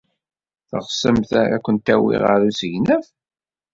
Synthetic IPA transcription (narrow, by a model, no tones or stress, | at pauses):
θə̰ʁsəmθæɾæ̰kʷːənt̪æwḭʁəɾusəʝnəf